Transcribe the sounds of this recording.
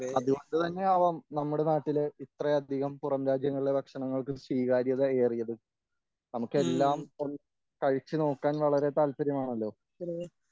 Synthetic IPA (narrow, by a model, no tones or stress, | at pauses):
ɐðuondɨt̪ɐnːe̞aːʋaːmnɐmːuɽe̞naːʈːileit̪rɐɐd̪ʱiɣɐmpurɐmɾaːd͡ʑjɐŋːɐɭiɭebɐkʂɐɳɐŋːɐɭkɨswiːɣaːɾjɐðeeːrijɐðɨ | nɐmukːe̞lːaːmo̞nːɨ | kɐɻit͡ɕːɨno̞ːkːaːnʋɐɭɐɾe̞t̪aːlpɐɾjɐmaːɳɐlːo̞ː